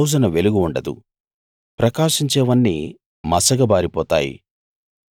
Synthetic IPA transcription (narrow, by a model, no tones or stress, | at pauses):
wd͡ʒɐnɐʋeluɡuuɳɖɐd̪ṵ | pɾɐkaːʂiɲt͡ʃɛːʋɐnːi | mɐsɐɡɐbaːɾipɔːt̪a̰ːjḭ